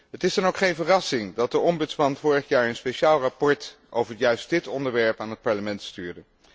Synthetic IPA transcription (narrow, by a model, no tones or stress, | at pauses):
ɦətɪzdɑnowkχejnvərɑsɪŋdɑt̚dəɔmbɵtsmɑnv̥ʊːɹəχjaːɹənspeʃaːlˠrapɔɹt | ʔowvəɹjœɥst̚d̥ɪtɔndəɹʋɛɹpaːnɦət̚pɑɹləmɛntstyːɹdə